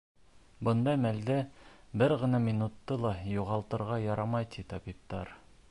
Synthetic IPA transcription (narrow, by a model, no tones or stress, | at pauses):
bɤ̆nd̪ɑmæld̪ɘ | bɘɾʁɤ̆nɑmʲinut̪ːɤlˠɑjuʁɑlˠt̪ɤ̆ɾʁɑjɑɾɑmɑjt̪it̪ɒbip̚t̪ɑɾ